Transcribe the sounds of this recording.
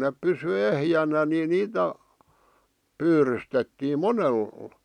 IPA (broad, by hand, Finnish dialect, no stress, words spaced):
nep pysy ehjænæ ni niːtæ pyːrystetːiːm monel